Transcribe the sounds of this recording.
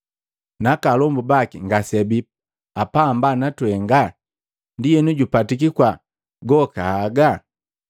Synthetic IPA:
nakalɔmbubakiŋɡasɛbip | apambanatwɛŋɡa | ndijɛnuɟupatik̬ikwa | ɡɔkaːɡa

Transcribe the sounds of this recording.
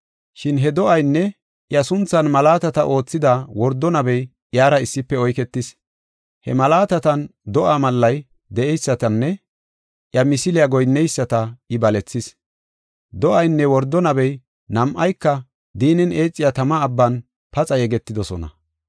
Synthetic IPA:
ʃɪnɦɛd̪ɔʔɐjnːɛ | ʔjɐsʊnt͡sːɐnmɐlaːt̪ɐt̪ɐʔo̞ːt͡sːɪd̪ɐwɔɾd̪ːɔnɐbɛj | ʔjaːɾɐɪsːɪpːɛɔjkɛt̪ːɪs | hɛ̰mɐlaːt̪ɐt̪ɐnd̪ɔʔaːmɐlːɐj | d̪ɛʔɛjsːɐt̪ɐnːɛ | ʔjɐmɪsɪlɪjaɡɔjnːɛjsːɐt̪ɐɪbɐlɛt͡sːɪs | d̪ɔʔɐjnːɛwɔɾd̪ːɔnɐbɛj | nɐmʔɐjkːɐ | d̪iːnɛne̞ːt͡sʼːɪjat̪ɐmɐːbːɐn | pɐt͡sʼɐjɛɡɛt̪ːɪd̪ɔsɔ̰nɐ̰

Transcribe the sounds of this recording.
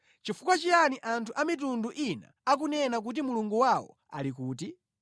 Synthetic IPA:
t͡ʃifukwat͡ʃijaniʔantʰuʔamit̬unduʔina̰ːk̬unɛnak̬ut̬imuluŋɡuwawɔ̰ | a̰likuːt̬i

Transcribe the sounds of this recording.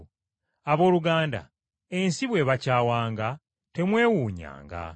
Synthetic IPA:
aβo̞ːɾuɡaːnda̰ | e̞nsiβwe̞βacaːwaːŋɡa | te̞mwe̞ːwuːɲa̰ːŋɡa̰

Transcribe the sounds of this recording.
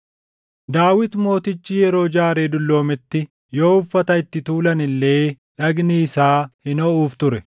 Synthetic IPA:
d̪aːwɪt̪mo̞ːt̪ɪt͡ʃːijɛɾo̞ːd͡ʒaːɾe̞ːd̪ʊlːo̞ːmɪt̪ːɪ | joːʊfːɐt̪ɐɪt̪ːɪt̪uːlɐnɪlːe̞ː | ᶑɐɡniːsaːhɪnɔuːft̪ʊɾɛ

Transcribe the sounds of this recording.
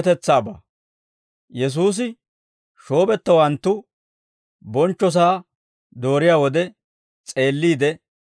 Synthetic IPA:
t̪ɛt͡sːaːba̰ː | jɛs̬uːs̬ɪ | ʃo̞ːbɛt̪ːɐwɐnt̪ːʊ | bɔnt͡ʃːɔs̬aː | d̪o̞ːɾɪjaːwɔd̪ɛ | t͡sʼe̞ːlːiːd̪ɛ

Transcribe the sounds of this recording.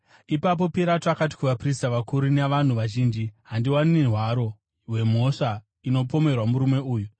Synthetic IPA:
ipap̬o̞piɾatoakat̬i̥kuʋapristaʋakuɾuneʋan̤uʋaʒiːnd͡ʒiɦandiwaninerwaɾo̞ | we̞m̤o̞ʂa | ino̞po̞me̞rwamuɾume̞uːju

